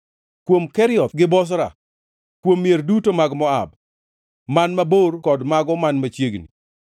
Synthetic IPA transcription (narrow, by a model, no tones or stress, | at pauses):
kwomkɛɾɪɔt̪ɡɪbɔs̬ɾa̰ | kwomːjerdutomaɡmɔa̰b | manmaborkɔdmaɡɔmanmat͡ʃjeɡnḭ